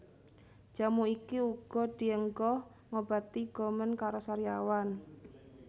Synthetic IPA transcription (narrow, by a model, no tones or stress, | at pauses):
d͡ʒ̥a̤muikiuɡ̥ɔ̤d̪̥i̤əŋɡɔh | ŋob̥a̤t̪iɡ̥ɔ̤mənkaɾosaɾiawan